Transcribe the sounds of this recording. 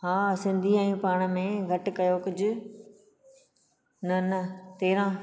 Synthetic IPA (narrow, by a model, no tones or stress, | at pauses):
ɦaːsɪ̃nd̪ʱiɛ̃ːpaːɽ̃ə̆mẽɡʱɐʈ̆kɐjokʊd͡ʑʱʊ̆ | nɐnɐt̪eːɾã